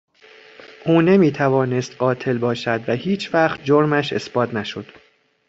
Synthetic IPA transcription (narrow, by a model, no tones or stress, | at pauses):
ʔuːne̞miːt̪ʰævɒːne̞st̪ɢɒːt̪ʰe̞lbɒːʃæd̪væhiːt͡ʃʰvæχt̪̚d͡ʒo̞ɾmæʃe̞̰sb̥ɒːt̪ʰnæʃo̞d̪̥